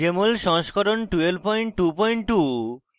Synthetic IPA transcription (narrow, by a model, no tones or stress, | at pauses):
emolʃɔŋʃkʰɔɾonʈuelpɔjɳʈʈupɔjɳʈʈu